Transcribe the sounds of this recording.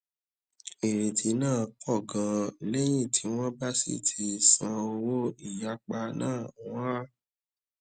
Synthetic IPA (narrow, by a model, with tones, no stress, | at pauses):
e˨ɾ̃ĩ˨tʰi˨˦nãː˦˨kʰɔ˦˨ɡã˨lɛ˦j̃ĩ˦˨tʰi˨˦w̃ɔ̃˦ba˦sḭ˦˨tʰi˧sã˧o˧wo˦i˦˨ja˦k͡pa˧nã̰ː˦˨w̃ɔ̃˦a˦